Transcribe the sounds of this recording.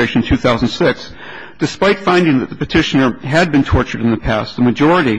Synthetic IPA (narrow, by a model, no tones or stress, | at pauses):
eɪʃɨ̃nn̩tʰʉθaʊzn̩d̥sɪks | d̥ɨspaɪtfãɪ̃ndɪ̃ŋðɨt̪̚ðəpɨtʰɪʃɨnə˞ɨd̚bɨ̃ntʰɔɹt͡ʃə˞ɾ̃n̩ðɨpʰæst̪̚ðəmɨd͡ʒɔɹɨɾi